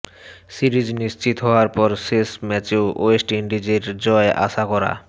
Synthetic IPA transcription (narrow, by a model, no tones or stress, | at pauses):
siɾid͡ʑniʃt͡ɕit̪ɦɔaɾpɔɾʃeʃmɛt͡ɕeoʔoesʈiiɳɖid͡ʑeɾd͡ʑɔeʔa̰ʃakɔɾa̰